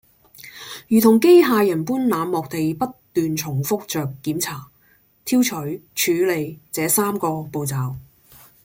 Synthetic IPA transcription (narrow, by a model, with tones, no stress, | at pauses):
jyː˨t̪ʰʊ˨˩ŋk̬e˥jɦaː˧jɐ˨˩npuː˥nlaː˨˧mːɔː˨k̚t̪e˨jpɐ˥t̪yː˨nt͡sʰʊ˨˩ŋfʊ˥k̚t͡ʃœː˨kːiː˨˥mt͡sʰaː˨˩ | t̪ʰiː˥wt͡ʃʰɵ˨˥ɥt͡ʃʰyː˨˧le˨jt͡sɛː˨˧saː˥mkɔː˧po˨˧wt͡saː˨w